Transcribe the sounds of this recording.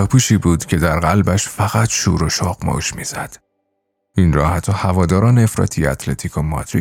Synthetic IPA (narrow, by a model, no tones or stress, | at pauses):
ɒpʰuʃiːbuːd̪̥cʰe̞d̪æɾɣælbæʃfæɣæt̪ʰʃṵːɾoʃɒːɣmɒ̰ʃmiːz̥æd̪̥ | inɾɒːhæt̪ʰːɒːhævɒːd̪ɒːɾɒːneefɾɒ̰ːt̪ʰijæt̪ʰlet̪ʰiːkʰomɒ̰t̪ʰɾi